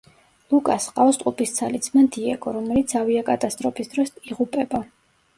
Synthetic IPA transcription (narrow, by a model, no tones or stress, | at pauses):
lukʼasqʼafst̪ʼupʰʼist̪sʰalit̪sʰmand̪iɛɡʰʼɔɾɔmɛlit̪sʰaviakʼat̪ʼast̪ʼɾɔpʰʼisd̪ɾɔsʼiʁupʼɛba